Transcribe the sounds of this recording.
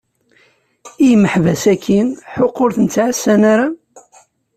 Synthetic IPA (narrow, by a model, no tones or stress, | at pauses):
ijmːəħvæsækːinħoqːoɾθənt͡sːʕəsːænaɾa